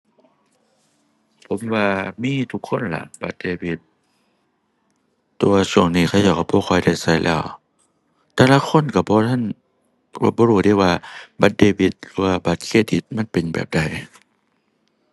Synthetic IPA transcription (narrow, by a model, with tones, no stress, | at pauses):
pʰo˨˦mwaː˧miː˧˥˨t̪ʰu˧kʰːo˧˥˨nla̰˧˦ʔba˧˦t̪̚deː˧˩bi˧˦t̪̚ | u˨˧˦ɐsu˧˩əŋniː˧˩kʰa˧˩˨jaː˨˩ka˧˩bʰɔː˧˩kʰɔː˧˦jda˧˩jsa˧˩jlʔɛː˧˩˨w | t̪ɛː˧la˧˥˨kʰo˧˥˨nka˧˩bɔː˧˦t̪ʰa˧˥˨n | ɔ̰˧˦bɔː˧huː˧˩tiː˧˥˨waː˧ba˧˦t̪̚deː˧bi˧˦t̪̚lɯː˧˦waː˧˩ba˨˩t̪̚kʰeː˧˩t̪̚di˧˦t̪̚ma˧˥˨npe˨nbɛ̰ː˨˩p̚da˧˩˨j